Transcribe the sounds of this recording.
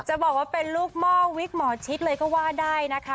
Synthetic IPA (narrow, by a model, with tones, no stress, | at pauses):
t͡ɕa˨˩bɔː˨˩k̚waː˥˩pe˧nluː˥˩k̚mɔː˥˩wi˦˥k̚mɔː˩˦t͡ɕʰi˦˥t̪̚lɤː˧jkɔː˥˩waː˥˩daː˥˩jna˦˥kʰa˦˥